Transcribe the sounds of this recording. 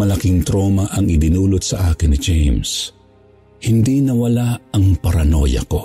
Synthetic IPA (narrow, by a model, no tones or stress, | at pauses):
mɐlɐkiŋt̪ɾoːmɐʔɐŋɪd̪ɪnuːlot̪̚sɐʔaːkɪnɪd͡ʒejms | hɪnd̪inɐwɐlaɐŋpɐɾɐno̰jɐ̰ko̞